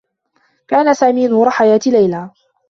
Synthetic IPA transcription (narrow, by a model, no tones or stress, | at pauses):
kaːnasaːmiːnhɾˤɑħajaːt̪ilajlaː